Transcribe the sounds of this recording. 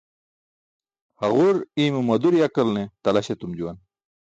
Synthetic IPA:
hɐʁuɾiːmumɐd̪uɾjɐkɐlnet̪ɐlɐɕet̪umd͡ʑuwɐn

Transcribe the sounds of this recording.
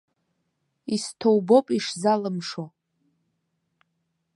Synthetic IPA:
istʰowbo̞pʼiʂzalɨmʂo

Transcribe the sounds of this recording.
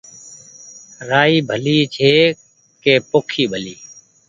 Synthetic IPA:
ɾaːiːbʱəliːt͡ʃʰeː | keːpoːkʰiːbʱəliː

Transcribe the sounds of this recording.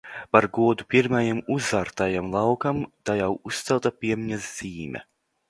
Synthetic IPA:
paɾɡuɔd̪upiɾmajamuzaːɾt̪ajamlˠɑwkamt̪ajawust̪sɛlˠt̪apʲiɛmʲiɲaz̥ːiːmʲɛ̰

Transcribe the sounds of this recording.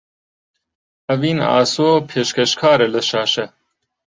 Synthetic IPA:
ɐviːna̰ːsoːpʰeʃkʰɐʃkʰaːɾɛlɐʃaːʃɐ

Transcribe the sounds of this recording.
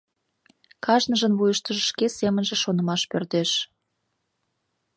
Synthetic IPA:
kɑʒnəʒə̆nβujəʃt̪ə̆ʒə̆ʃkesemənʒĕʃonə̆mɑʃpørt̪eʃ

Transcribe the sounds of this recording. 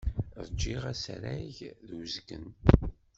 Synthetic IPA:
ðˤd͡ʒːiʁæsɾæʝðwzɡə̰n

